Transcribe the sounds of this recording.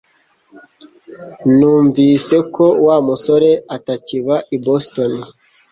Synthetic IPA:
nuːɱviːse̞kʰo̞waːmuso̞ɾe̞ataciβaʔiboston

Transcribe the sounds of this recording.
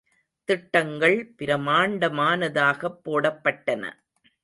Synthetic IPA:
t̪ɪʈːɐŋɡɐɭpɪɾɐmaːɳɖɐmaːnɐðaːɣɐpːoːɽɐpːɐʈːɐnɐ̰

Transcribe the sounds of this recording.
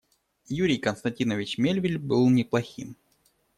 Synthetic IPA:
juɾʲɪjkənst̪ɐnʲtʲinəvʲɪt͡ɕmʲelʲvʲɪlʲbɨlˠnʲɪplˠɐxʲim

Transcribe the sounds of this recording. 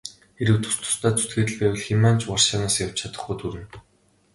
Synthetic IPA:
eɾɘ̆wt̪ʰʊ̥st̪ʰʊ̥st̪ʰæːt͡sut̪̚ɡĕːt̪ɘ̆ɮpæːwɘ̆ɮximaːn̥t͡ɕʰwɔrʃaːnaːsjaw̥t͡ɕt͡ɕʰat̪ə̆χɡujt̪ʰuɾɘ̆n

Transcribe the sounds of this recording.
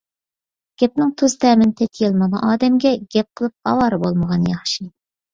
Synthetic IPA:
ɡ̥ʲɛp̚nɪŋt̪ʰuzt̪ʰɛːmɪnt̪ʰɛt̪ʲʰjelˠmɑnɨʔɑːd̪ɛmɡʲɛɡʲɛp̚qʰəlˠɨp̚ɑ̰wɑːɾɨbolˠməʁɑnjɑχʃi

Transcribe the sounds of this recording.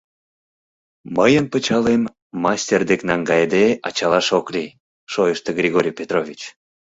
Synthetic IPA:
məjənpət͡ɕɑlemː | ɑsʲtʲerd̪eknɑŋɡɑjd̪eʔɑt͡ɕɑlɑʃokli | ʃojəʃt̪eɡrʲiɣoɾʲijpʲet̪rovʲit͡ɕ

